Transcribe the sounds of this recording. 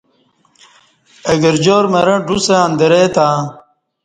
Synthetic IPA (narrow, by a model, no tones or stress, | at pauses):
eɡɐɾd͡ʑoːɾmɐɾɐ̃ɖuseɐ̃nd̪eɾet̪ãː